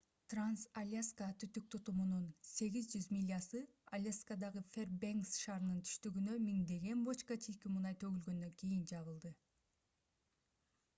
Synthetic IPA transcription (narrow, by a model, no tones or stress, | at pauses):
t̪ransalʲaskat̪ʰyt̪yk̚t̪ʰut̪umununse̞ɡizd͡ʒyzmʲilʲasɯ | alʲeskad̪ɑʁɯfʲerbeŋsʃɑːɾɯnɯnt̪ʰy̥ʃt̪yɡynømiŋd̪e̞ɡe̞nbot͡ʃkat͡ʃijkimunɑjt̪ʰø̞ɡylɡø̞nd̪øŋkʲijind͡ʒɑβɯlˠd̪ɯ